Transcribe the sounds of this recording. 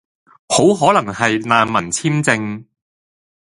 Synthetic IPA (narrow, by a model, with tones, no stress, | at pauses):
ho˨˥wɦɔː˨˥lɐ˨˩ŋhɐ˨jnaː˨˧nmɐ˨˩nt͡sʰiː˥mt͡sɪ˧ŋ